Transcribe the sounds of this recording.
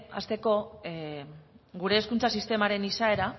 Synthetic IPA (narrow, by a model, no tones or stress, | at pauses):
a̰st̪e̞ko̞ | ɡuɾe̞ːskunt͡sasist̪e̞maɾe̞nisae̞ɾa